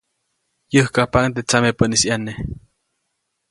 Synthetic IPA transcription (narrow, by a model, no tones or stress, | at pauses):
jəhkahpaŋt̪et͡samepənisjane